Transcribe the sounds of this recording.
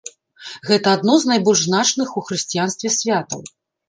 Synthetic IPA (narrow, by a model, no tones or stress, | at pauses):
ɣɛt̪ɐad̪nɔznajbɔlʲʐznat͡ʂnɨxuxɾɨsʲt͡sʲijanst̪vʲɛsʲvʲat̪ɐ̰w